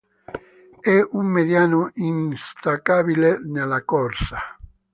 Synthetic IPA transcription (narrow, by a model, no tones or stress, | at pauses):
ɛumːeðjanoʔinst̪akaβilenelakɔɾsa